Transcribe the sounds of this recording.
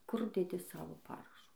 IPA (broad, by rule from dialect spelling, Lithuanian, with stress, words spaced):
kʊr dʲɛˈdʲɪ ˈsɑːʋoː ˈpɑːrɐʃʊ